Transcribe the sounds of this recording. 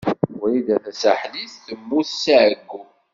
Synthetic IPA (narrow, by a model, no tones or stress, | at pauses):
ʊɾiðæθæsaħliθθəmːuθsʕəɡːu